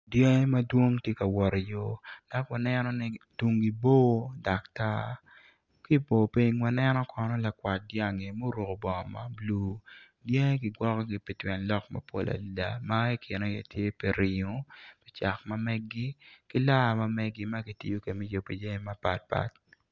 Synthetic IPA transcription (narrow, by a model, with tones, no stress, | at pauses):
djɛ˦ŋe˦ma˦dwo˦ŋtje˦ka˨wɔ˨ɾi˨jo˦d̥a˦kwa˨nɛ˦nɔ˦nɪ˦tu˨ŋɡi˨bo˦˨da˨kta˦ | kɪ˦bo˨pe˦ɲwa˨nɛ˦nɔ˦kʰɔ˨nɔ˦la˨kwa˨t̚dja˨ŋe˨mo˦ɾo˨ko˨bɔ˨ŋɔ˨ma̰˦bluː˦ | djɛ˦e˦ɡɪ˨ɡwɔ˦kɔ˦ɡɪ˨pi˨twɛ˨nlɔ˦kma̰˨po̰˨lʔa̰˨da˨ma˦ɛ˦kʰɪ˨ne˦je˨tʰje˦pe˨ɾʔi˨ɲo˨pi̥˨t͡ʃa˨kma˦mɛ˦ɡɡi˦kɪ˦la˦˨ma˦mɛ˦ɡi˦ma˦ɡi˨tḭ˦jo˦ke˨mi˦jo˨pi˨de˦ŋe˦ma˦pa̰˨t̚pa̰˦t̚